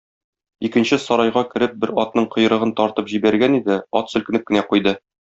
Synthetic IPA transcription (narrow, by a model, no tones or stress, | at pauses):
ikɘ̆nɕɘsɒɾɑjʁɑkɘ̆ɾɘp̚bɘɾɒt̪̚nɤɴqɤ̆jɤ̆ɾɤ̆ʁɤnt̪ɒɾt̪ɤpʑibæɾɡænid̪ɘɒt̪sɵ̆kɘ̆nɘp̚kɘ̆næqujd̪ɤ